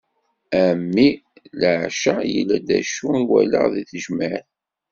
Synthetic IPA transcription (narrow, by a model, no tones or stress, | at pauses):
æmːiləʕʃajə̰lːæd̪æ̰ʃunwæləʁðiθəʒməɾ